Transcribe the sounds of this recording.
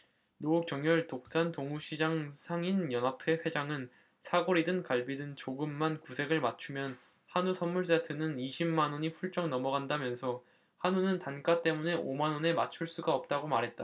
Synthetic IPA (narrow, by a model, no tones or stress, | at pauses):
nouk̚t͡ɕʌŋjʌɭtok̚s͈antoŋuɕʰid͡ʑaŋsʰaŋinjʌnapʰe̞ɸwe̞d͡ʑaŋɯn | sʰaɡoɾidɯnkaɭbidɯnt͡ɕoɡɯmːankusʰe̞ɡɯɭmat͡ɕʰumjʌn | hanusʰʌnmuɭs̬͈etʰɯnɯniɕʰimːanwʌɲiɸuɭt͡ɕ͈ʌŋnʌmʌɡandamjʌnsʰʌ | hanunɯntank͈at͈e̞mune̞ʔomanwʌne̞mat͡ɕʰuɭs͈uɡaʌp̚t͈aɡomaɾɦe̞t̚t͈a